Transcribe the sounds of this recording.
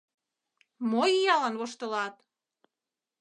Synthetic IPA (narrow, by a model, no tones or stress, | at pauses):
mojijɑlɑnβoʃt̪ɤ̆lɑt̪